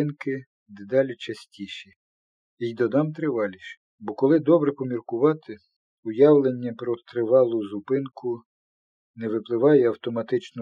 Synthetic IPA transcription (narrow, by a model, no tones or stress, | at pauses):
nkɪ | d̪ed̪ɑlʲit͡ʃɐsʲtʲiʃi | ijd̪ɔd̪ɑmt̪ɾɪʋɑlʲiʃ | bɔkɔlˠɪd̪ɔbɾɛpɔmʲirkʊʋɑt̪ɪ | ʊjɑwlˠenʲːɐpɾɔt̪ɾɪʋɑlˠʊzʊpɪnkʰʊ | nɛʋɪplˠɪʋɑjɛɐwt̪ɔmɐt̪ɪt͡ʃnɔ